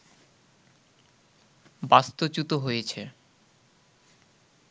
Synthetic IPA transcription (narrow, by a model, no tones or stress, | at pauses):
bast̪ot͡ɕut̪oɦojet͡ɕʰe